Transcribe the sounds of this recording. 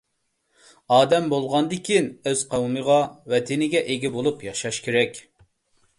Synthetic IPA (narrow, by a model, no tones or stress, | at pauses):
ɑːd̪ɛmbolˠʁɑnd̪ɪkʲʰinøz̥qʰɑwməʁɑwɛt̪ʰɪnɪɡʲɛʔeɡʲɛbolˠupjɑʃɑʃkʲʰeɾɛkʲ